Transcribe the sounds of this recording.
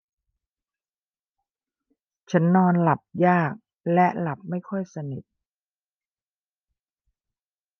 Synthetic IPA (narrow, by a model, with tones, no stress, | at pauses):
t͡ɕʰa˦˥nːɔː˧nla˨˩p̚jaː˥˩k̚ | lɛ˦˥la˨˩p̚ma˥˩jkʰɔ˥˩jsa˧ni˨˩t̪̚